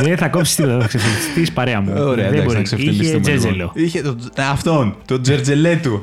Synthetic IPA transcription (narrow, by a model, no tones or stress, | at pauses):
ðeθɐkopsi̥st̪ipɐksefimist̪ispɐɾeɐmuoɾeɐed̪ɐkbsɐksefimist̪imezeloiçet̪o | ɐft̪o̞nt̪od͡zeɾd͡zelet̪u